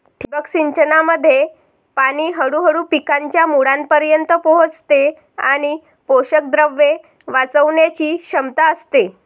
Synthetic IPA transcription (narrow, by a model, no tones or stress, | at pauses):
ʈʰibəkɕiɲt͡ɕənaməd̪ʱːje | paniːɦəɽuːɦəɽuːpikaɲt͡ɕjamuɽanpəɾjənt̪əpɔɦot͡st̪e | aɽ̃i | poɕək̚d̪ɾəʋːe | ʋat͡səʋɳjat͡ɕiːɕəmt̪aəst̪e